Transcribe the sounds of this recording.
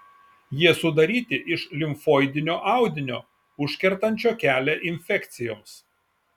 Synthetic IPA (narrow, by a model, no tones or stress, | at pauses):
jiɛsʊd̪ɐɾʲiːt̪ʲɪʔɪʃlʲɪmfoːɪd̪ʲɪnʲoːʔɑˑʊd̪ʲɪnʲoː | ʊʃʲkʲɛɾt̪ɐnʲt͡ʃʲoːkʲæːlʲɛʔɪnʲfʲɛkt̪sʲɪjoːms